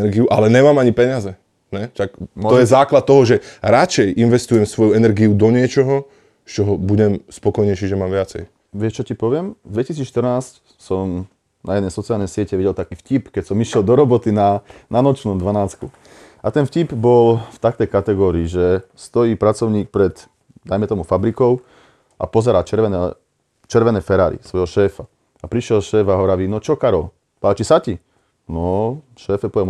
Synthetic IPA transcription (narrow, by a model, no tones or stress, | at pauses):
ɛɾɡiuʔalɛɲɛmaːmaɲipɛɲazɛ | ɲɛʃakt̪ɔjɛzaːklat̪̚ːɔɦɔʒɛɾat͡ʃɛjʔinʋɛst̪ujɛmsʋɔjuɛnɛɾɡiud̪ɔɲɪɛt͡ʃɔɦɔ | st͡ʃɔɦɔbuɟɛmspɔkɔjɲɛjʃiʒɛmaːmʋɪat͡sɛ̰j | ʋɪɛʃt͡ʃɔcipɔʋɪɛmd̪ʋɛcisiːt͡sʃt̪r̩ɾnaːsc | sɔm | na̰jɛd̪nɛjsɔt͡sialnɛjsɪɛcɛʋiɟɛlt̪akiːfcipkɛcsɔmiʃɪɛld̪ɔɾɔbɔt̪inananɔt͡ʃnumd̪ʋanaːt͡sku | at̪ɛnfcibbɔlft̪ak̚t̪ɛjkat̪ɛɡɔːɾiːʒɛst̪ɔjiːpɾat͡sɔʊɲiːk̚pɾɛt̪ | d̪ajmɛt̪ɔmufabɾikɔʊ | ʔa̰pɔzɛɾaːt͡ʃɛɾɛnɛ | t͡ʃɛɾʋɛnɛːfɛɾaːɾḭsʋɔjɦɔʃɛːfa | apɾiʃɪɛlʃɛːfaɦɔɾaʋiːnɔt͡ʃɔkaɾɔl | paːt͡ʃisaci | nɔ | ʃɛːfɛpɔɛm